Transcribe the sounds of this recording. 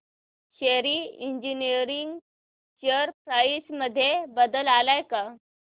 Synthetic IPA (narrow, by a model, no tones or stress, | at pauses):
ɕeɾiːiɲd͡ʑiniɾiŋɡ | t͡ɕəɾpɾaisməd̪ʱːjebəd̪əlalajka